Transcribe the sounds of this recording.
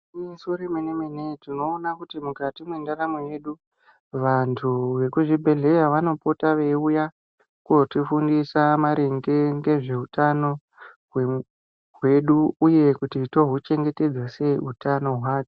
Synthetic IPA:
isuɾimenemenetino̞ːnakutimukatimwendaɾamoje̞ɗu | ʋantʰuʋe̞kuʐibʱe̞ɮe̞jaʋano̞potaʋe̞uja | kotifundisamaɾeŋɡe̞ŋɡe̞ʐe̞utano̞ | ɦwe | ɦwe̞ɗuːje̞kutito̞ɦut͡ʃe̞ŋɡe̞te̞d͡zwase̞utano̞ɦwaːke̥

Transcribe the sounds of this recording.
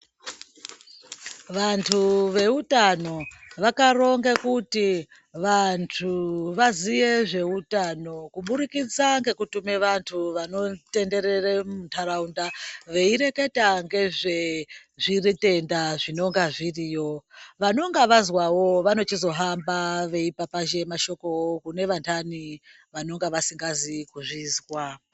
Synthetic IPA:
ʋantʰuʋe̞utano̞ʋakaro̞ŋɡekuti | ʋantʰuʋaziʋe̞ʐe̞utano̞kuɓuɾikid͡zaŋɡe̞kutume̞ʋantʰuʋano̞te̞nde̞ɾeremuntʰaɾaundaʋe̞iɾe̞ke̞taŋɡe̞ʐe̞ʐirite̞ndaʐino̞ŋɡaʐirijo̞ʋano̞ŋɡaʋazwawo̞ʋano̞t͡ʃizo̞ɦambaʋe̞ipapaʒe̞maʃo̞ko̞wokune̞ʋantʰani | ʋano̞ŋɡaʋasiŋɡazikuʐizwa

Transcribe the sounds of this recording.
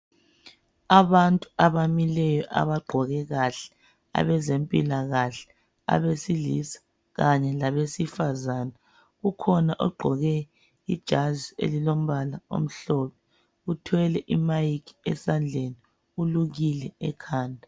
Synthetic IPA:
aβantʼuaβamilɛjɔʔa̰βaɡ͡ǃʱɔɣɛɣaɬɛ̥ | a̰βɛzempʼilaɣaɬɛ̥ | a̰βesilisḁ | ɣaɲɛlaβesifazaːna | ɣukʰɔnaʔɔɡ͡ǃʱɔɣɛ | id̥ʒ̥ʱaziḛlilom̩βalao̰m̩ɬɔpʰɛ | utʰwɛlɛʔimajikʰiɛ̰sand͡ɮʱeni | uluɣilɛɛkʰaːndʱa

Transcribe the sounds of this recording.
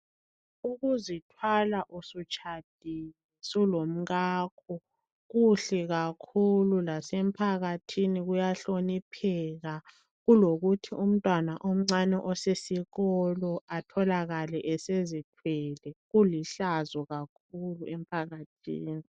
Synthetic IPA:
uɣuzitʰwalaʔusut͡ʃʰʼad̥ʱijɛsulom̩ɣaːkʰɔ | ɣuɬɛɣakʰululasɛm̩pʰaɣatʰiniɣujaɬonipʰɛɣa | ɣuloɣutʰium̩tʼwanaʔom̩ŋ͡ǀanɛʔɔsesiɣɔlɔatʰɔlaɣalɛʔɛsezitʰwɛlɛɣuliɬazɔɣak̚ʰuluɛm̩pʰaɣatʰḭːni

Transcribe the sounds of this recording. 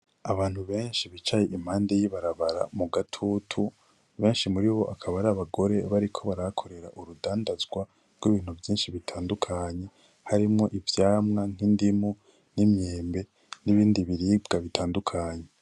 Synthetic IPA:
aβaːn̥huβe̞ːnʃiβit͡ʃajeʔim̥haːnde̞jiβaɾaβaɾa̰muɡatʰutʰu | βe̞ːnʃimuɾiβo̞ʔakʰaβaɾaːβaɡo̞ɾe̞βaɾikʰo̞βaɾakʰo̞ɾe̞ɾa̰ʔuɾudaːndazɡwa | ɾɡwiβiːn̥huvjiːnʃiβitʰaːndukʰaɲe̞ | haɾimŋo̞ʔivjaːmŋaŋ̥indimu | nimɲeːmbe̞ | niβiːndiβiɾibɡaβitʰaːndukʰaɲe

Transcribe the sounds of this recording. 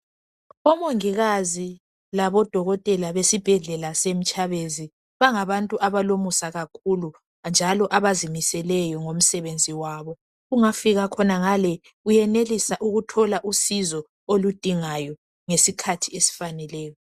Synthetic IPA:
ɔmoŋiɣazi | laβɔd̥ʱɔɣɔtʼɛlaβesib̥ʱɛɮɛlasem̩t͡ʃʼaβezi | βaŋaβantʼuʔaβalomusaɣakʰulu | nd͡ʒʱalɔʔaβazimisɛlɛjɔŋom̩sɛβend͡zʱiwaːβɔ | ɣuŋafiɣakʰɔnaŋalɛ | ujɛnelisaʔuɣutʰɔlaʔusizɔ | olud̥ʱiŋajɔ | ŋesikʰatʰiesi̥fanɛlɛːjɔ

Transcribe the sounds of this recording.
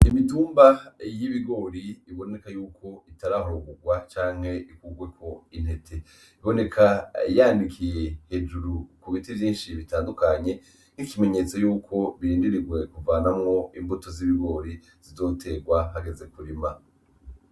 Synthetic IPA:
imituːmbajiβiɡo̞ːɾiiβo̞ne̞kajuːkʰo̞itaɾaɦoɾoɡuɡwat͡ʃaːŋ̥he̞ikuɡwe̞kʰo̞in̥he̞tʰe̞ | iβo̞ne̞kʰajandikʰije̞he̞d͡ʒuɾukuβitivjiːnʃiβitaːndukaɲe̞ | ŋ̥ikime̞ɲe̞ːt͡so̞juːkʰo̞βiɾiːndiɾiɡwe̞kuvaːnamŋo̞imbuto̞ziβiɡo̞ːɾi | z̥izo̞ːtʰe̞ɡwaɦaɡe̞ze̞kuɾima

